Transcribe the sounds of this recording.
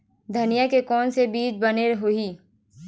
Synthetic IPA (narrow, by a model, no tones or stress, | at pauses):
d̪ʱɐnijakekɔːnsebiːt͡ʃbɐneɾɦoiː